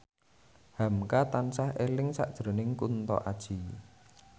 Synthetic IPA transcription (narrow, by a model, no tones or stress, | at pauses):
ha̤mkat̪ansahʔelɪŋsa̰ʔd̥ʒ̥ɾo̤nɪŋkunt̪ɔ̰ʔad̥ʒ̥i̤